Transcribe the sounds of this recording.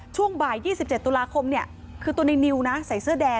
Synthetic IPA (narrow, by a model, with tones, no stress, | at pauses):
t͡ɕʰu˥˩əŋbaː˨˩jːiː˥˩si˨˩p̚t͡ɕe˨˩t̪ːu˧laː˧kʰo˧mni˥˩ɐ | kʰɯː˧t̪u˧əna˧jni˧wna˦˥sa˨˩˦jsɯː˥˩ədɛː˧